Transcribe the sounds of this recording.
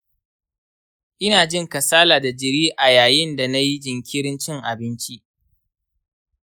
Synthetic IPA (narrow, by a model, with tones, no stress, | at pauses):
ʔɪ˦naː˨d͡ʒɪ˦ŋkɐ˨saː˦laː˨da˨d͡ʒɪ˨ɾiː˦ʔa˨jaː˨jɪ˦nda˨na˦ji˦d͡ʒɪ˨ŋkʲɪ˦ɾɪ˦nt͡ʃɪ˦ŋʔa˨bɪ˦nt͡ʃi˦ʔ